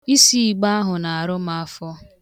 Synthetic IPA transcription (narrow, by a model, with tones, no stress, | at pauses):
i˦si˦i˨ɡ͡ba˦a˦ɦʊ˨na˨a˨ɾʊ˦m˦a˦fɔ˦